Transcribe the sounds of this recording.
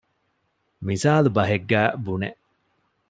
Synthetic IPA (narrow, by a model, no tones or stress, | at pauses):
misaːlubɐɦeɡːæːbuneʔ